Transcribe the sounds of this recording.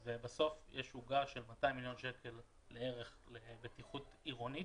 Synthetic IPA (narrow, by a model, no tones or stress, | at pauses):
vebaso̞fjeʃuɡaʃe̞lmataimiljo̞nʃeke̞lː | eeʁe̞χlebetiχutiʁo̞ni